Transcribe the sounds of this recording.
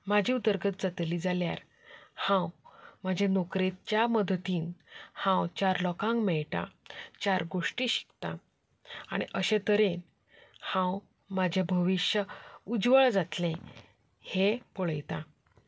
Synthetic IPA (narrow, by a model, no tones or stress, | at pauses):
mad͡ʑʱiut̪əɾɡət̪̚d͡zat̪liːd͡zalja̰ɾ | hãwmad͡ʑʱenokɾet̪t͡ɕjaməd̪t̪iːnhãwt͡ɕaɾlɔkãŋkmɛɭʈã̰t͡ɕaɾɡoʂʈiɕi̥kt̪a̰ | aɽ̃iʔəɕẽt̪əɾen | hãw | mad͡ʑʱebʱəʋiɕjəud͡zʋəɭd͡zat̪lẽ | hepoɭəjt̪a